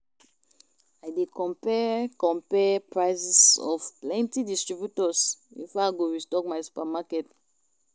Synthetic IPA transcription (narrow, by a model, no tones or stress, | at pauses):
ajdekɔ̃mpɛkɔ̃mpɛpɹaɪsɛsɔ̰fplɛ̃ntidistɹibjutɔsḭ̃faɡoɹistɔkmaɪsu̥pamakɛt